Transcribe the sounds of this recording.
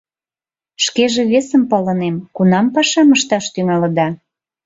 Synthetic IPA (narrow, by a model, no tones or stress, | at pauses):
ʃkeʒĕβesəmpɑlə̆nemkunɑmpɑʃɑməʃt̪ɑʃt̪yŋɑlə̆d̪ɑ